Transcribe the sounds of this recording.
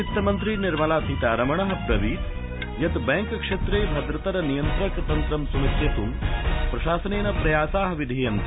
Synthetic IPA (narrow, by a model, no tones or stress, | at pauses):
it̪ːɐmɐnt̪ɾiniɾmɐlaːt̪it̪aːɾɐmɐɳɐɦɐpɾɐʋiːt̪ | jɐt̪bɐŋkkʂet̪ɾeːbʱɐd̪ɾɐt̪ɐɾɐnijɐnt̪ɾɐkt̪ɐnt̪ɾɐmsumit̪et̪umpɾɐʃaːsɐneːnɐpɾɐjaːsaːɦɐʋid̪ʱijɐn